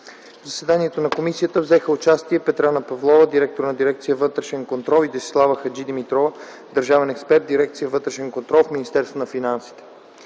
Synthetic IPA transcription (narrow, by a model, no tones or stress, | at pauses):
vzɐsvɛd̪aniɛt̪onɐkomisijət̪əvzɛxəʊt͡ʃast̪iɛpɛt̪ɾanəpɐvlˠɔvəd̪iɾɛk̚t̪oɾnɐd̪iɾɛkt̪sijəvɤt̪ɾɛʃɛnkont̪ɾɔlˠid̪ɛsi̥slˠavəxɐd͡ʒid̪imit̪ɾɔvə | d̪əɾʒavɛnɛkspɛɾt̪̚d̪iɾɛk̚t̪sijəvɤt̪ɾɛʃɛnkont̪ɾɔlˠfminist̪ɛɾst̪vonɐfinansi̥t̪ɛ̥